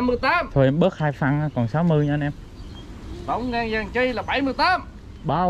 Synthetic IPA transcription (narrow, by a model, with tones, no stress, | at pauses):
mːɨ˧əjt̪aː˨˦˥mt̪ʰo˧˩ʔɛ˧mɓə˦˥t̚haː˧jfa˧˩nː˧kɔ˨˩nsa˨˦wmɨ˨˧əjɲaː˧nʔɛ˧m | tə̰˧˦wŋ͡mŋaː˧ŋzaː˨˩ŋt͡ɕi˧jlaː˨˩ɓa˧˩jmɨ˧əjt̪aː˨˦˥m | ɓaː˧˩